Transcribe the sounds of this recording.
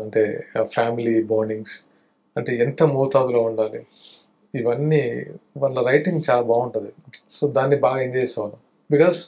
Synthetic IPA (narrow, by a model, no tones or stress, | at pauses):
ɐɳʈeːfʰaːmiliboːɾniŋɡs | ɐɳʈeːɛnt̪ɐmuːt̪aːd̪uloːuɳɖaːliː | ʋɐnːiʋaːɭːɐɾɐjʈiŋɡt͡ʃaːlaːbaːɡuɳʈund̪isoːd̪aːnːibaːɡɐiɲd͡ʒeːsɛːʋalɐ | bikɔːz